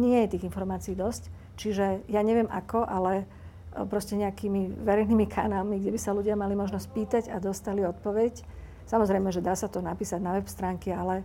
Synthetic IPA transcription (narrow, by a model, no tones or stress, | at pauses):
ɲɪɛjɛt̪iːɣinfɔɾmaːt͡siiːd̪ɔsc | t͡ʃiʒɛjaːɲɛʋɪɛmʔa̰kɔʔalɛ | pɾɔscɛɲɛakiːmiʋɛɾɛjniːmikʰa̰naːlmiɡɟɛbisaluɟɪamalimɔʒnɔsc̚piːt̪aɟad̪ɔst̪aliɔt̪̚pɔʋɛc | samɔzɾɛjmɛʒɛd̪aːsat̪ɔnapiːsaɟnaʋɛpst̪ɾaːŋkialɛ